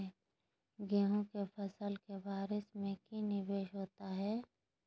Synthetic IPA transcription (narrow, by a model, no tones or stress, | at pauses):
ɡeːɦõkepʰɐsəlkebaːɾɪsmẽkinɪbeːʃɦoːt̪aɦɛː